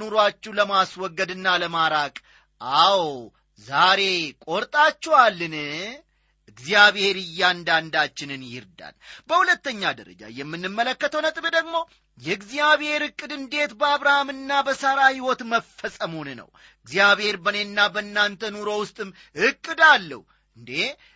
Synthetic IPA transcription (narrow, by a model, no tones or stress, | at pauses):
nuɾwat͡ʃːɛwləmaswɔɡːəd̪ɨnːaləmaɾakʼ | ʔaw | zaɾe̞kʼo̞ɾt̪ʼat͡ʃːɛwalːɨnɨ | ɨɡzijaβhe̞ɾɨjːand̪and̪at͡ʃːɪnɨnjɪ̰ɾd̪a̰nbəhulət̪ːəɲːad̪ə̰ɾə̰d͡ʒa̰jɛmːɨnːɨmːələkːət̪ʰəwnət̪ʼbd̪əɡmo̞ | jɛɨɡzijaβhe̞ɾɨkʼːɨd̪ɨnd̪e̞t̪bəaβɾahamɨnːabəsəɾahiwɔt̪məfːəsʼəmhonənə̰w | ɨɡzijaβhe̞ɾbənenːabənːant̪ʰənuɾo̞wʊst̪ʼɨm | ɨkʼːɨd̪alːə̰hu | ʔɨnd̪e̞